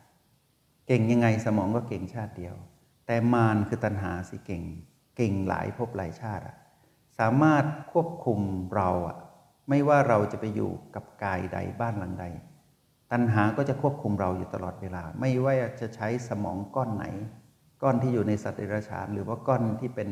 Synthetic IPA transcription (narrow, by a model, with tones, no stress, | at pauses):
ke˨˩ŋja˧ŋːa˧jsa˧mɔː˩˦ŋkɔː˥˩ke˨˩ŋt͡ɕʰaː˥˩t̪̚di˧əw | t̪ɛː˨˩maː˧nkʰɯː˧t̪a˧nɦaː˩˦si˧˩˦ke˨˩ŋ | ke˨˩ŋla̰ː˩˦jpʰo˦˥˩p̚laː˨˩˦jt͡ɕʰaː˥˩t̪̚ʔa̰˨˩ʔ | saː˩˦maː˥˩t̪̚kʰu˥˩əp̚kʰu˧mɾa˧wʔa̰˨˩ | ma˥˩jwaː˥˩ɾa˧wt͡ɕa˨˩ʔpa˧jːṵː˨˩ka˨˩p̚kaː˧jda̰˧jbaː˥˩nla˩˦ŋda˧j | t̪a˧nɦaː˩˦kɔː˥˩t͡ɕa˨˩ʔkʰu˥˩əp̚kʰu˧mɾa˧wjuː˨˩t̪a˧lɔː˨˩t̪̚weː˧laː˧ma˥˩jwaː˥˩ʔaː˨˩t͡ɕa˨˩ʔt͡ɕʰa˦˥jsa˧mɔ̰ː˩˦ŋkɔː˥˩nːa̰˩˦j | kɔː˥˩nt̪ʰiː˥˩juː˨˩na˧jsa˨˩t̪̚ʔe˧˩ɾaː˧t͡ɕʰa̰ː˩˦nɾɯː˩˦waː˥˩kɔː˥˩nt̪ʰiː˥˩pe˧n